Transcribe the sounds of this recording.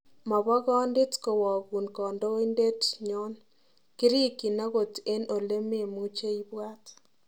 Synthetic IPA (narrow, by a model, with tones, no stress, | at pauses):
ma˨βɔ˦ɣɔ˦ndɪ˦tko˨wɔ˨ɣu˨nkɔ˨ndo˦i˦nde˦tɲɔ˦n | kɪ˦ɾi˦ki˨na˦ɣo˨te˦no˨le˦me˦˨mu˦t͡ʃe˦i˦bwa˦t